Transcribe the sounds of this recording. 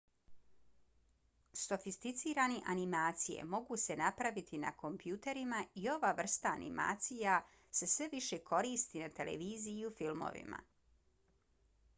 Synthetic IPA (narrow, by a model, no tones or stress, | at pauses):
so̞fist̪it̪siːɾaːniʔanimaːt̪sije̞̰mo̞ɡuse̞napɾaʋit̪ʰina̰ko̞mpjuːt̪e̞ɾimaio̞ʋaʋr̩st̪aːnḭma̰ːt̪sija | se̞sʋe̞ʋiʃekʰo̞ɾiːst̪inat̪e̞lḛʋiːzijiufilˠmo̰ʋḭma̰